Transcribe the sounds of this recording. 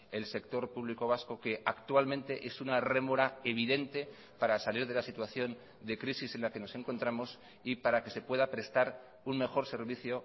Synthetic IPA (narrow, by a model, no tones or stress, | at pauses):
e̞lse̞k̚t̪o̞ɾpuβliko̞β̞asko̞ke̞ʔakt̪walmẽ̞nt̪e̞ʔe̞sunare̞moɾae̞β̞iðe̞nt̪e̞ | paɾasaliɾð̞e̞lasit̪waθjo̞n | d̪e̞kɾisise̞nlake̞no̞se̞ŋko̞nt̪ɾamo̞s | ipaɾake̞se̞pwe̞ðapɾe̞st̪aɾ | unme̞xo̞ɾse̞ɾβiθjo̞